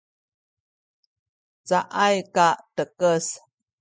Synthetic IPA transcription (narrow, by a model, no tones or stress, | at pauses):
t͡saʔajkaʔtəkəs